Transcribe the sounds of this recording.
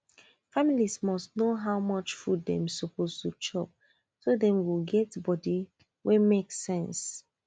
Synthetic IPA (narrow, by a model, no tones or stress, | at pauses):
familismɔstnoɦaʊmʌt͡ʃfuddɛ̃msɔpʰoztut͡ʃʰɔ̰p̚ | soðɛ̃mwilɡɛtbɔdi | wʔɛmekssɛ̃ns